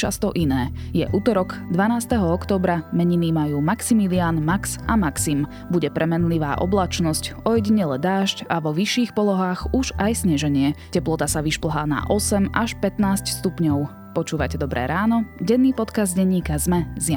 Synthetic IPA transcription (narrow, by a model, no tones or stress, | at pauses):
t͡ʃa̰st̪ɔʔinɛːjɛ̰ʔuːt̪ɔɾɔɡd̪ʋanaːst̪ɛɦɔɔkt̪ɔːbɾamɛɲiniːmajuːmaksimiliaːnmaksʔa̰maksim | buɟɛpɾɛmɛnliʋa̰ːʔɔ̰blat͡ʃnɔscɔjɛɟiɲɛlɛd̪aːʃcaʋɔʋiʃːiːxpɔlɔɦaːɣuʒajsɲɛʒɛɲɪɛcɛplɔt̪asaʋiʃpl̩ɦaːna̰ʔɔsɛmaʃpɛt̪naːscst̪upɲɔʊ | pɔt͡ʃuːʋa̰cɛd̪ɔbɾɛ̰ːɾaːnɔɟɛnːiːpɔt̪kazd̪ɟɛɲːiːkazmɛzja